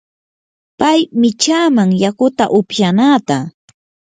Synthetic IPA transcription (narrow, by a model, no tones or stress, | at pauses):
pajmɪt͡ʃaːmaŋjakʊt̪a̰ʔʊpjanaːt̪a